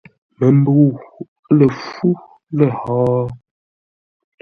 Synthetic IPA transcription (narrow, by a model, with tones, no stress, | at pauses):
mə˨m˦bə˨u˨ | lə˨fu˦ | lə˨hɔː˦